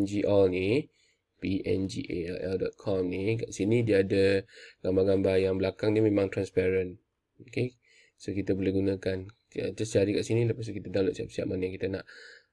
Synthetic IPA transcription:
nd͡ʒiʔalni | piʔɛ̰nd͡ʒiʔḛaʔɛldɔt̪̚kʰɔmnikaʔsinĩdiːdəɡambaɡambajaŋbəlakaŋdiəmẽmãŋt̪ɾanspaɾən | oke | sokit̪abolɛhɡunãkan | ə̰d͡ʒast͡ʃaɾikaʔsinĩləpas̬ukit̪ədaloʔsia̰p̚sia̰p̚manajaŋkit̪anaʔ

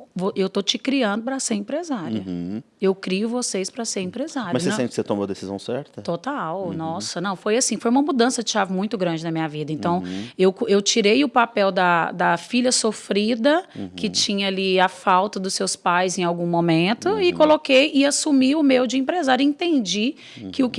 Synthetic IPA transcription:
voʔewt̪ot͡ʃɪkɾiɐ̃nd̪ʊpɾɐseɾẽpɾezaɾiɐ | ewkɾiʊvosespɾɐseɾẽpɾezaɾɐmɐsɐẽẽt͡ʃɪkset̪õmoɐd̪esizɐ̰̃w̃sɛ̰ɾt̪ɐt̪ot̪awnɔsɐnɐ̃w̃fojasĩfojũmɐmud̪ɐ̃sɐd͡ʒɪʃavʊmũj̃t̪ʊɡɾɐ̃nd͡ʒɪnɐmĩɲɐvid̪ɐẽnt̪ɐ̃w̃ewkewt͡ʃiɾejʊpapɛwd̪ɐd̪ɐfiʎʲɐsofɾid̪ɐkɪt͡ʃĩɲɐaliafawt̪ɐd̪ʊsːewspajzẽj̃awɡũmomẽnt̪ʊɪkolokejɪasumiʊmewd͡ʒɪẽpɾezaɾjɐẽt̪ẽnd͡ʒi | kɪʊk

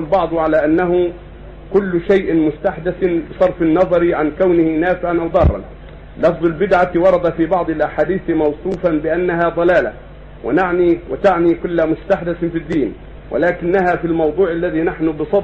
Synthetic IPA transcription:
lbɑʕd̪ˤʕalaːʔanːaɦʊ | kʊlːʊʃajʔmʊst̪aħd̪ɪsbɨsˤɑɾˤfɪnːɑðˤɑɾʕankawnɪhɪnaːfɪʕanʔawd̪ˤɑrˤːɑ̰n | lɑfðˤɪlbɪd̪ʕawɑɾˤɑd̪afiːbɑʕd̪ˤɪlʔaħaːd̪iːθmɑwsˤuːfanbɪʔanːaɦaːd̪ˤɑlaːla̰ | wɪ̰naʕniwɪt̪aʕniːkʊlːamʊst̪aħd̪ɪsfid̪ːiːn | wʔa̰laːkɪnːahaːfilmɑwd̪ˤuːʕalːaðiːnaħnʊbɨsˤɑd̪

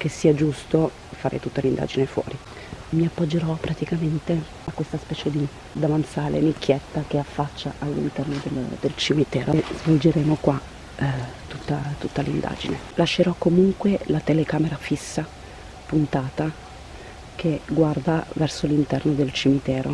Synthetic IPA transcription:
k̟esːiːad͡ʒust̪o | faːɾʔḛt̪ut̪ːolind̪a̰ːd͡ʒinefwɔ̰ːɾi | miapːɔd͡ʒːeɾɔpɾat̪ikament̪e | akːwest̪aspɛːt͡ʃed̪i | d̪avant̪saːlḛnikːjɛt̪ːak̟eafːat͡ʃːaʔalːḭnt̪ɛrnod̪eld̪elt͡ʃimit̪ɛːɾozvold͡ʒeɾeːmokwa | t̪ut̪ːat̪ut̪ːalind̪a̰ːd͡ʒine | laʃːeɾɔkːomuŋkwelat̪elekaːmeɾafisːa | punt̪aːt̪a | k̟eɡward̪avɛrsolint̪ɛrnod̪elt͡ʃimit̪ɛːɾo̰

